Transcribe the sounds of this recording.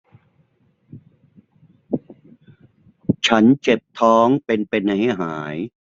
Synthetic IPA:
t͡ɕʰa˦˥nt͡ɕe˨˩p̚t̪ʰɔː˦˥ŋpe˧npe˧nːa˧jha˥˩ɦaː˩˦j

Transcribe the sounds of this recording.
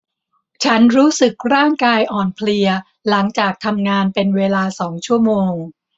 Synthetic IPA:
t͡ɕʰa˦˥nɾuː˦˥sɯ˨˩k̚ɾaː˥˩ŋkaː˧jʔɔː˨˩npʰli˧ɐ | la˩˦ŋt͡ɕaː˨˩k̚t̪ʰa˧mŋaː˧npe˧nweː˧laː˧sɔː˩˦ŋt͡ɕʰu˥˩əmoː˧ŋ

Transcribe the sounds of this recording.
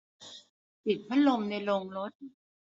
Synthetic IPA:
pi˨˩t̪̚pʰa˦˥lo˧mna˧jlo˧ŋlo˦˥t̪̚

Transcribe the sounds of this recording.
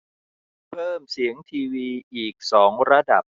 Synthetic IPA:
pʰɤː˥˩msi˩˦əŋt̪ʰiː˧wiː˧ʔiː˨˩k̚sɔː˩˦ŋɾa˧da˨˩p̚

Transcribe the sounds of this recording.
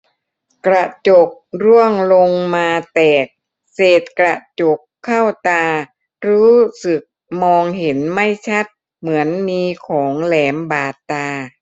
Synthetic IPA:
kɾa˧t͡ɕo˨˩k̚ɾu˥˩əŋlo˧ŋmaː˧t̪ɛː˨˩k̚ | seː˨˩t̪̚kɾa˧˩t͡ɕo˨˩kʰːa˥˩wt̪aː˧ | ɾuː˦˥sɯ˨˩k̚mɔː˧ŋɦe˩˦nma˥˩jt͡ɕʰa˦˥˩t̪̚ | mɯ˩˦ənmiː˧kʰɔː˩˦ŋlɛː˩˦mbaː˨˩t̪ːaː˧

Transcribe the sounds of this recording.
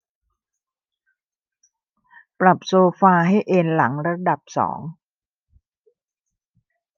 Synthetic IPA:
pɾa˨˩p̚soː˧faː˧ɦa˥˩jʔeː˧nla˩˦ŋɾa˧da˨˩p̚sɔ̰ː˩˦ŋ

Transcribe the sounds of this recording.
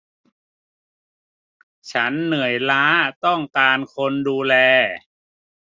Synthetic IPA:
t͡ɕʰa˦˥nːɯ˨˩˦ə˦jlaː˦˥t̪ɔ˥˩ŋkaː˧nkʰo˧nduː˧lɛː˧

